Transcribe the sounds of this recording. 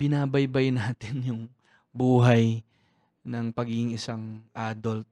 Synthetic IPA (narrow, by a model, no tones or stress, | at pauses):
b̥ɪnaːbɐjbɐjnaːt̪ɪnjʊŋ | buːɦɐj | nɐŋpɐɡiːɡɪŋɪsaŋʔaːd̪olt̪̚